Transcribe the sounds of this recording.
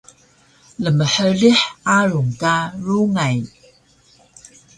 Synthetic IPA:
ləməħəliħaɾuŋkaɾuŋaj

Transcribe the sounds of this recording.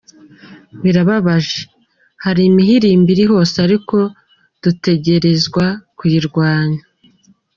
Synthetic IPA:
βiɾaβaβaʒe | haɾimiɦiɾiːmbiɾiɦo̞ːseaɾiko̞ | d̥ute̞ɟe̞ɾe̞zɡwakwiːɾɡwaːɲa

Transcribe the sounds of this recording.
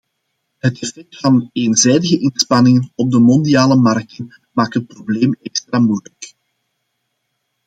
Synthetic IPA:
ɦətɛfɛk̚tfɑneːnzɛjdəɣəʔɪnspɑnɪŋənɔb̚dəmɔndiaːləmɑrk̚tən | maːk̚tɦət̚probleːmɛkst̪raːmujələk

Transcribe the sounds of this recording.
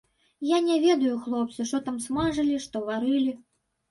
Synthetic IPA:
janʲɛvʲɛd̪ɐjuxlˠɔp̚t̪sɨʂt̪ɔt̪amsmaʐɨlʲiʂt̪ɔvaɾɨlʲi

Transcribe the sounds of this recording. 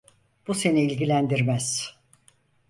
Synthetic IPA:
b̥use̞niːlʲɟilʲænd̪iɾmæz̥

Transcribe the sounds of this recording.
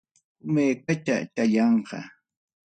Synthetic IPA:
ʊmeːkat̪a̰t̪aʎɑɴqɑ̰

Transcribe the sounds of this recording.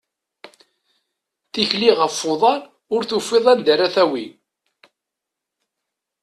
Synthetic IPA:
θiçliʁəfːoðˤɑɾ | ʊɾθufːeðˤænd̪əɾæθæwi

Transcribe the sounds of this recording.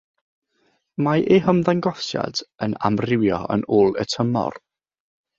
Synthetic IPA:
maʔeɦəmðaŋɡɔsja̰dəna̰mrɪwjɔə̰noːlˠə̰tʰəmɔ̰r

